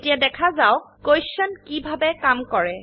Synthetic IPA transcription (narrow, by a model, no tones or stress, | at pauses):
tijadɛkʰazawkojsʃɔnkibʱabɛkamkɔɹɛ